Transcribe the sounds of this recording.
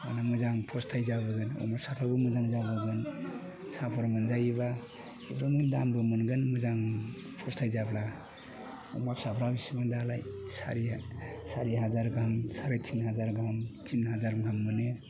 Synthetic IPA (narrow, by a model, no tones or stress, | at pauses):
a̰namuzaŋpʰɔstʰajzabɯɡɯnɔ̰mapsatʰabɯmuzaŋzabɯɡɯn | sapʰɔɾmɯnzajba | ibʰɾamindambɯmɯnɡɯnmuzaŋ | pʰɔstʰajzapʰla | ɔ̰mapsapʰɾabisimandalajsa̰ɾisaɾiɦazaɾɡʱamsaɾat͡ʃʰinɦazaɾɡʱamt͡ʃʰinɦazaɾɡʱamːɯne